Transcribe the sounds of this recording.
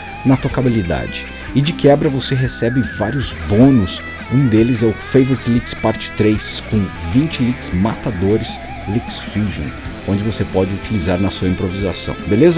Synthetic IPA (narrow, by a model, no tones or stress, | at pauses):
nɐt̪okabilid̪a̰d͡ʒɪ | ɪd͡ʒɪkɛbɾɐvoseɦesɛbɪvaɾjʊzbõnʊs | ũd̪elɪzɛʊfejveɾt͡ʃlikspaɾt͡ʃɪ̥t̪ɾejskõw̃vĩnt͡ʃɪliksmat̪ad̪oɾɪs | liksfiʒõ̰n | õd͡ʒɪvosepɔd͡ʒɪut͡ʃilizaɾnɐsuɐĩpɾoviza̰sɐ̰̃w̃belezɐ